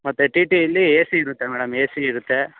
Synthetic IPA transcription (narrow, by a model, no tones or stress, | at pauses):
mɐt̪ːeʈiʈiɐlːieːsiːɾut̪ːemɛːɽɐmeːsiiɾut̪ːe